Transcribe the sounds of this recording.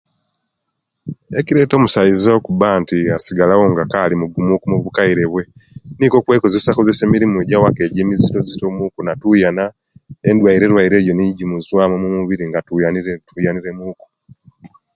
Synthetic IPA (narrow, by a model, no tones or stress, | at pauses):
eciɾe̞to̞ːmusaizaokuβaːntiasiɡalawo̞ŋɡakalimuɡumukumuβukaiɾe̞βwe̞niko̞kwe̞ːko̞ze̞sakoze̞se̞ːmiɾimueɟawake̞ːɟeːmizito̞zito̞mukunatujana | endwaiɾe̞ɾwaiɾe̞ːjo̞niɟimuzwamomumuβiɾiŋɡatujanitujaniɾemuːku̥